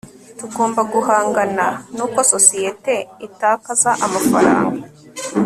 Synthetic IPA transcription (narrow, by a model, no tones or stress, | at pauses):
tuɡo̞ːmbaɡuhaːŋɡananuːko̞so̞sijete̞itaːkazaʔamafaɾa̰ːŋɡa